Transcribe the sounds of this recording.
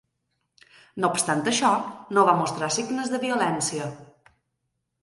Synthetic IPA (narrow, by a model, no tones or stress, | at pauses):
nopst̪ant̪əʃɔnoβamost̪ɾasiɡnəzðəβiulɛnsiə